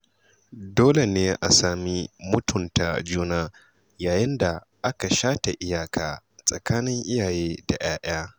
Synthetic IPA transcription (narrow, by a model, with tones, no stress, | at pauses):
doː˦le˨neː˦ʔa˨saː˨mi˦mʊ˦tʊ˨nta˨d͡ʒuː˦naː˦ | jaː˨jɪ˦nda˨ | ʔa˦ka˨ʃaː˦ta˨ʔɪ˦jaː˨kʰaː˨sʼɐ˨kaː˦nɪ˦ŋʔɪ˦jaː˨jeː˦da̰˨ʔj̰aː˦ʔɪ̰˦aː˦